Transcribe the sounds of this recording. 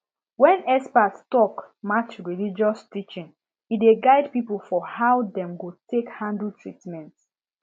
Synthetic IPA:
wɛ̃nɛspatstɔkmat͡ʃɹilid͡ʒɔstit͡ʃĩn | ideɡaɪd̚pipəlfɔhawdɛ̃mɡotekhãndl̩tɹitmɛ̃nt

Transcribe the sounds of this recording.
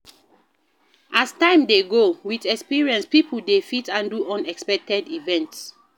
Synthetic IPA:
ʔastãɪ̃mdeɡowidɛkspiɹiɛ̃nspipʰl̩defitãnduʔɔ̃nɛkspɛk̚tɛdivɛ̃nts

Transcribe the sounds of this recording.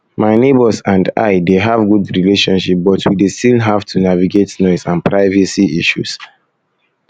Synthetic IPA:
maɪnebəsãnda̰ɪdeɦavɡudɹileʃɔ̃nʃip̚bɔtʰwidestilɦav̥tʰunaviɡetnɔɪsãnpʰɹaɪvɛsiiʃṵs

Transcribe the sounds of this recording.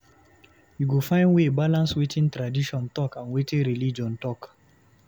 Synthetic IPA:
juɡofãɪ̃nwebalãnswetʰĩntɹadiʃɔ̃ntɔkãnwetĩnɹilid͡ʒɔ̃ntɔk

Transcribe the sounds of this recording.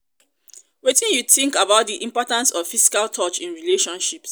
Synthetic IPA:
wetĩnjuθĩŋkabaʊt̚diʔĩmpɔtãnsɔv̥fisi̥kaltʰɔt͡ʃĩnɹileʃɔ̃nʃips

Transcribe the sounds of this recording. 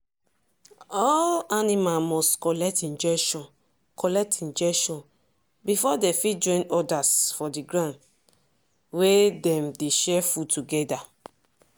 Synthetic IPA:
ɔlanimamɔstkɔlɛk̚tĩnd͡ʒɛʃɔ̃n | kʰɔlɛk̚tʰĩnd͡ʒɛʃɔ̃n | bifɔdefid͡ʒɔ̃ɪ̃nɔdasfɔdiɡɹãnd | wedɛ̃mdeʃɛfutuɡɛda

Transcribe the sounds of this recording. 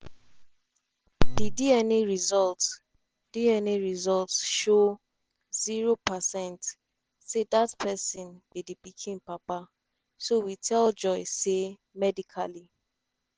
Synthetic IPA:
didiɛniɹizɔlts | d̥iɛniɹizɔltsʃo | ziɹopasɛ̃nt | sedatpɛsĩnbidipikʰĩnpapa | sowitʰɛld͡ʒɔɪse | mɛdikʰa̰li

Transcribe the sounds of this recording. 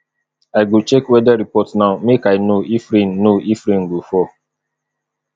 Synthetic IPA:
ajɡot͡ʃɛkwɛdaɾipɔtnaʊmekaɪnoifɾĩnːoʔifɾĩnɡofɔ

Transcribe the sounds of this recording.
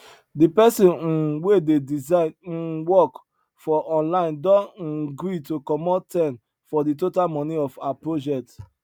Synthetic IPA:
dipɛsĩn̩wededizawɔk | fɔʔɔ̃nlãɪ̃ndɔɡɾitokɔmɔtɛ̃n | fɔditotalmɔ̃niɔfaapɹod͡ʒɛk̚t

